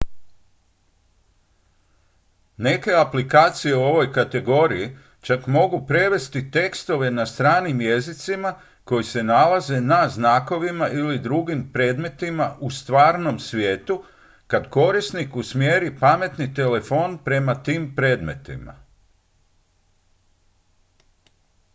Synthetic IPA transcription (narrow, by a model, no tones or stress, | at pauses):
ne̞ke̞aplikaːt̪sije̞uo̞ʋo̞jkat̪e̞ɡo̞ɾiji | t͡ʃakmo̞ɡupɾe̞ʋe̞st̪it̪e̞kst̪o̞ʋe̞nast̪ɾaːnimje̞zit̪sima | ko̞jise̞nalaze̞naznaːko̞ʋimaʔilid̪ɾuɡimpɾe̞ːd̪me̞t̪imaʔust̪ʋaːɾno̞msʋje̞ːt̪u | kad̪ko̞ɾisnikusmje̞ːɾipame̞t̪nit̪e̞le̞fo̞npɾe̞mat̪iːmpɾe̞ːd̪me̞̰t̪ḭma̰